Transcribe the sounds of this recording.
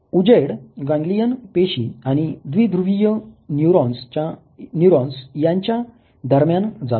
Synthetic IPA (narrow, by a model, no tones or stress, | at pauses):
ud͡ʑeɽɡãŋɡlijənpeɕiaɽ̃id̪ʋiːd̪ɾuʋijənjuɾɔ̃nst͡ɕa | njuɾɔ̃nsjãɲt͡ɕja | d̪əɾmjand͡za